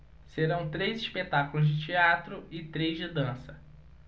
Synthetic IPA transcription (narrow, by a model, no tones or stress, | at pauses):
seɾɐ̃w̃t̪ɾejziʃpet̪akʊlʊzd͡ʒɪt͡ʃiat̪ɾʊɪt̪ɾejzd͡ʒɪd̪ɐ̃sɐ